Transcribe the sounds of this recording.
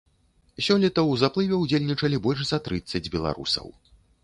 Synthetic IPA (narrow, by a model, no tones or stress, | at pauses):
sʲɔlʲɛt̪ɐwzaplˠɨvʲɛwd͡zʲelʲnʲit͡ʂɐlʲibɔlʲʂzɐt̪ɾɨt̪sːɐd͡zʲbʲɛlˠa̰ɾṵsɐ̰w